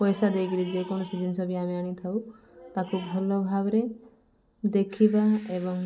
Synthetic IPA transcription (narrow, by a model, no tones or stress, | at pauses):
pɔjsad̪ejkilid͡ʒekɔɽ̃ɔsid͡ʒinsɔbiameaɽ̃it̪ʰaw | t̪akubʱɔlɔbʱabɔɾe | d̪ekʰibaebɔŋ